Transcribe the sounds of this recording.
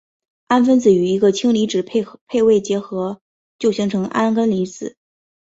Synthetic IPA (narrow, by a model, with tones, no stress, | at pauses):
a˥nfə˥nt͡sɹ̩˨˩y˨˩i˧˥ɡə˧t͡ɕʰi˥ŋli˧˥ʈ͡ʂɻ̩˨˩pʰe˥˧ɪwe˥˩ɪt͡ɕjɛ˧˥xɤ˧˥ | t͡ɕjo˥˩ʊɕi˧˥ŋʈ͡ʂʰɤ˧˥ŋʔa̰˥nkə˥nli˧˥t͡sɹ̩˨˩˦